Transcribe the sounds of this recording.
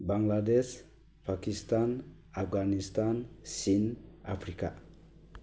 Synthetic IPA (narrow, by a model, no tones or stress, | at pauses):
baŋladɛs | pʰakist̪an | afɡanist̪ansina̰pʰɾika̰